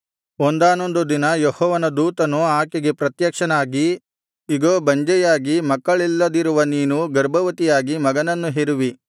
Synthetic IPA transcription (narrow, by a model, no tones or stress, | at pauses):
ond̪aːnond̪ud̪inɐjɔhɔːʋɐnɐd̪uːt̪ɐnuaːkeɡe̞pɾɐt̪jɐkʂɐnaːɡiː | ɡoːbɐɲd͡ʒɛjaːɡimɐkːɐɭilːɐd̪iɾuʋɐniːnuɡɐɾbʱɐʋɐt̪ijaːɡimɐɡɐnɐnːuɦeɾuʋi